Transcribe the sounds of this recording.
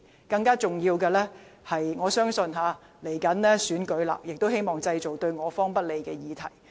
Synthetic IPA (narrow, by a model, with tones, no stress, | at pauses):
kɐ˧ŋkaː˥t͡sʊ˨ŋjiː˧wkɛː˧lɛː˥hɐ˨jŋɔː˨˧sœː˥ŋsɵ˧nɦaː˨˧ | le˨˩jkɐ˨˥nlɛː˥syː˨˥nkɵ˨˥ɥla̰ː˨˩k̚jɪ˨k̚t̪o˥whe˥jmɔː˨˩ŋt͡sɐ˧jt͡so˨˩wt̪ɵ˧ɥŋɔː˨˧fɔː˥ŋpɐ˥t̚le˨jkɛː˧jiː˨˧t̪ʰɐ̰˨˩j